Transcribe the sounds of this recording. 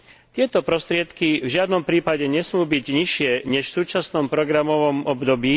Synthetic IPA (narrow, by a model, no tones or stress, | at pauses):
t̪ɪɛt̪ɔpɾɔst̪ɾɪɛt̪kivʒɪad̪nɔmpɾiːpaɟɛɲɛsmuːbiɟɲiʃɪɛɲɛʃfsuːt͡ʃasnɔmpɾɔɡɾamɔʋɔmɔbd̪ɔbiː